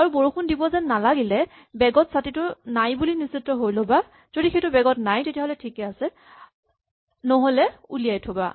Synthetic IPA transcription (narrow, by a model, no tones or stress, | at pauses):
aɹuboɹukʰundibɔzɛnnːalaɡilɛ | bɛɡɔtsatitʊnajbulinisitːɔɦojloba | z̥odixejtʊbɛɡɔtnajtetiaɦolɛtʰikɛasɛ | nɔɦolɛulijajtʰoba̰